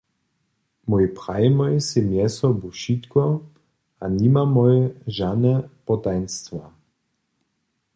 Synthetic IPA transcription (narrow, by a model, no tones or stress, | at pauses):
mɔjpʁajmɔjsɛmjɛsɔbuʃit̪kɔ | animamɔjɛʒanɛpɔt̪ajnst̪va